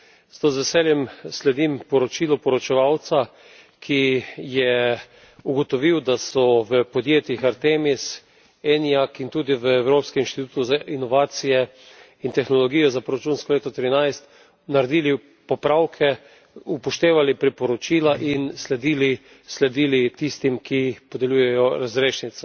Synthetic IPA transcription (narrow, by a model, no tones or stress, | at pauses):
st̪ozʋɛsɛljɛmslɛd̪impɔɾɔt͡ʃiːlɔpɔɾɔt͡ʃɛʋawt̪sa | kʰijɛ | uɡɔt̪ɔʋiwd̪asɔʋəpɔd̪jeːt̪jixaɾt̪emis | ɛnjakint̪uːd̪iʋəɛwɾoːpskɛminʃt̪it̪uːt̪uzaʔinɔʋaːt̪sijɛ | int̪ɛxnɔlɔɡiːjɔzapɾɔɾat͡ʃunskɔleːt̪ɔt̪ɾinajst̪ | naɾed̪iːli | pɔpɾawkʰɛ | upɔʃt̪eːʋalipɾipɔɾɔt͡ʃilaʔinslɛd̪iːli | slɛd̪iːlit̪ist̪imkʰipɔd̪ɛlʲujɛjɔɾazɾeːʃnit̪sɔ